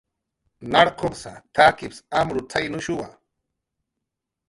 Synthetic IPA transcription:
naɾqʰopsa̰t̪ʰakɪpsamɾʊt͡sajnʊʃʊwa̰

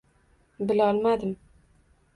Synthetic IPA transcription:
bɪlɒlˠmad̪ɪm

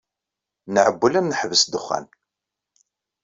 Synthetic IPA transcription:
nəʕəbːəlænːəħvəsd̪əχːæ̰n

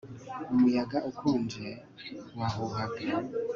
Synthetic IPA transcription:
umujaɡaʔukʰuːnd͡ʒie | waɦuɦaɡa

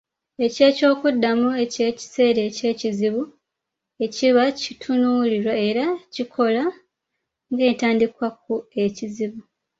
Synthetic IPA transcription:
e̞ce̞ːco̞ːkudːamue̞ce̞ːci̥se̞ːɾe̞ce̞ːciziβu | e̞ciβacitʰunuːliɾwae̞ɾacikʰo̞la | ŋɡe̞ːtaːndikwak̚ue̞ciziβu

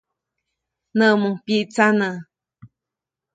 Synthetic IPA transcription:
nə̃ʔmupiʔt͡sanə

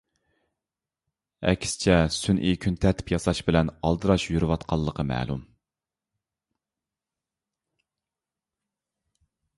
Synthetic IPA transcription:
ɛ̰kʲsɪ̥t͡ʃʰɛsynʔikʲʰynt̪ʰɛɾt̪ʰɪ̥pjɑsɑʃbɪlɛnɑlˠd̪ɨɾɑʃjyɾɨwɑt̪qʰɑlˠːəqʰəmɛ̰ːlˠṵm

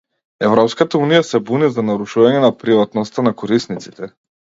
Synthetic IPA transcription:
ɛvɾɔpskat̪aunijasɛbunizanaɾuʃuvaɲɛnapɾivat̪nɔst̪anakɔɾisnit̪si̥t̪ɛ

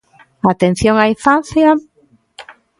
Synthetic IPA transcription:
at̪en̟θjoŋaiɱfan̟θja

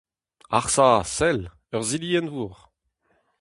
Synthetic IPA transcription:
aʁsasɛl | œʁziliɛnvuːʁ

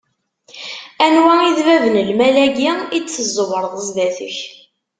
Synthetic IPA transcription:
ænwæiðvævənəlmælæɡiit͡sːəzˤːʊvəɾˤðˤəzðæθə̰ç

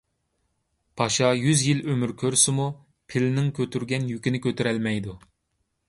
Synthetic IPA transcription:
pʰɑʃɑjyzjilømyɾkʲʰøɾsɪmu | pʰɪlnɪŋkʲʰøt̪ʰyɾɡʲɛnjykʲinɪkʲøt̪ʰyɾɛlmɛjd̪u

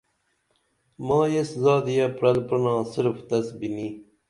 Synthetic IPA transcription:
mɑ̃ːjeszɑːd̪ijapɾɐlpənɑ̃ːsiɾft̪ɐsbini

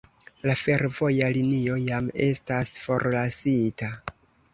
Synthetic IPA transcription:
lafe̞ɾvo̞jalinio̞jame̞stasfo̞ɾlasita

